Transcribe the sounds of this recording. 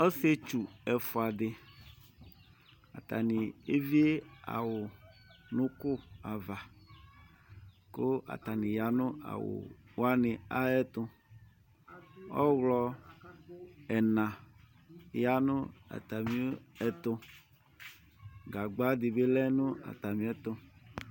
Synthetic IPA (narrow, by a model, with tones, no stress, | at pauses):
ɔ˦se˦t͡ʃu˨ɛ˨fo˨a˨d̪ɪ˨ | a̰˨t̪a˨nɪ˨e˦vi˦e˦a̰˨wʊ˨nʊ̃˦kʊ˦a˨va˨ | ko˦a̰˨t̪a˨nɪ̃˨ja˨nʊ̃˦a̰˨wʊ̰˨wa˦nɪ̃˨a˦ɛ˦t̪ʊ̃˦ | ɔ̰˦ɣlɔ˦ | ɛ˨nã˨ | ja˦nʊ˦a̰˨t̪a˨mĩ˦ɛ˨t̪ʊ˦ | ɡa˨ɡ͡ba˦d̪ɪ˨be˦lɛ˦nʊ̃˦a̰˨t̪a˨mĩ˨ɛ˦t̪ʊ˦